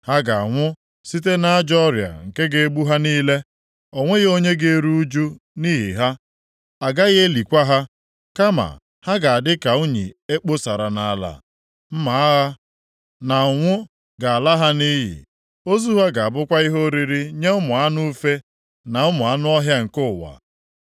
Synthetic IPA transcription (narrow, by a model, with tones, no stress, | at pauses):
ha˦ɡa˨ŋʷʊ˦ | si˦t̬e˦na˦d͡ʒɔ˦ɾja̰˨ŋ̩˨ke˦ɡe˨e˦ɡ͡bu˦ɦa˦niː˦le˦ | ɔ˨ŋʷe˦ɣo˦ɲe˦ɡe˦ɾu˦u˦d͡ʒu˦ | ni˦ɦḭ˨ɦa˦ | a˨ɡa˦ɣe˦li˨kʷa˦ɦa˦ | ka˦ma̰˨ | ha˦ɡa˨a˨dɪ˦ka˨u˦ɲḭ˨e˦k͡po˦sa˨ɾa˨na˨a˨la̰˨ | m̩˦ma˨˦a˦ɦa˦ | na˨ŋʷʊ˦ | ɡa˨a˨la˦ɦa˦ni˦ɦḭ˨ | o˦zu˦ɦa˦ɡa˨a˨bʊ˦kʷa˦i˦ɦo˦ɾi˦ɾi˦ɲe˦ʊ˦mʊ˨a˦nʊ˦fe˦ | na˨ʊ˦mʊ˨a˦nʊ˦ɔ˦ɦja˦ŋ̩˨kʊ˦˨wa̰˨